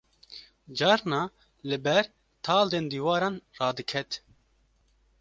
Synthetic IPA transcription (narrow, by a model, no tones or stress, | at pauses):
d͡ʒɑːɾnɑː | lɨbɛɾ | t̪ʰɑːld̪eːnd̪iːwɑːɾɑːnrɑːd̪ɨkʰɛt̪